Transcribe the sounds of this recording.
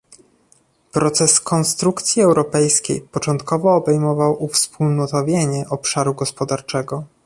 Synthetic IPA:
pɾɔt̪sɛskʰɔnst̪ɾukt̪sʲjiɛwɾɔpɛjskʲḛjpɔt͡ʂɔnt̪kɔvɔːbɛjmɔvawʔufspulnɔt̪ɔvʲjeɲɛʔɔpʂaɾuɡɔspɔd̪aɾt͡ʂɛɡɔ

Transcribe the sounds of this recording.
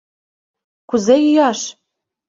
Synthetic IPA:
kuzejyjɑʃ

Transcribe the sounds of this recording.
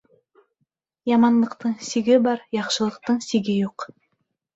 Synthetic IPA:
jɑmɑnlˠɤ̆qt̪ɤɴsiɡɘbɑɾjɑqʃɤ̆lˠɤ̆q̚t̪ɤɴsiɡɘjuq

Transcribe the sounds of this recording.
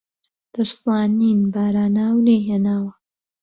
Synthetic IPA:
d̪̥ɨɾsɑːniːnbaːɾaːnaːwleɦeːnaːwɐ

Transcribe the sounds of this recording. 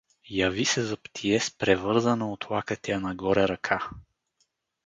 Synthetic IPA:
jɐvisɛzɐpt̪ʰiɛspɾɛvɤɾzənɐot̪lˠakət̪ɛjɐnɐɡɔɾɛɾɐkʰa

